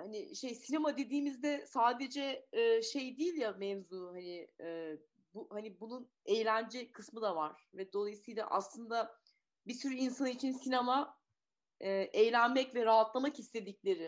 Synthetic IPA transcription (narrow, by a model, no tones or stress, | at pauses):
hanɪʃejsinemad̪e̞d̪iːmizd̪ɛsaːd̪e̞d͡ʒɛːʃe̞jd̪ijilʲjamɛvzuːhanɪɛː | buhanibunun | ejlʲænd͡ʒɛkʰɯsmɯd̪avaɾ̥vɛd̪o̞lˠajɯsɯjlˠa̰ʔa̰slˠɯnd̪a | bisyɾyinsanit͡ʃʰinsinema | ɛːʔejlʲænmɛcvɛɾaɦat̪lˠamakist̪ʰe̞d̪iclʲe̞ɾɪ